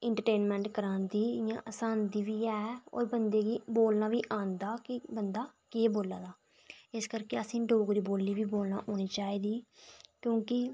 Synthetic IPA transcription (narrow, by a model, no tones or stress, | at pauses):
ɪɳʈəɾʈeːnmɛ̃ːɳʈkəɾãːnd̪iːjã̰ːʔəsaːnd̪iːʋiːɛːo̰ːɾbənd̪eːɡiːboːlnaːʋiːʔãːnd̪aːkɪbənd̪aːkeːboːlaːd̪aː | ɪskəɾkeːəsĩːɖoːɡɾiːboːlːiːʋiːboːlna̰ːʔoːñiːt͡ʃaːiːd̪iːkjõːkɪ